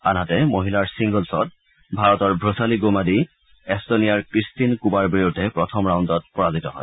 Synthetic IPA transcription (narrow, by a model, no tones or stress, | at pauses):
a̰nɦatɛmoɦilaɹsiŋɡɔlsɔ̰t̚ | bʱaɹɔtɔɹbʱɹosaliɡomadi | ɛstonijaɹkɹistinkubaɹbiɹudʱːɛpɹɔtʰɔmɹawndɔt̚pɔɹazitɔɦɔ̰j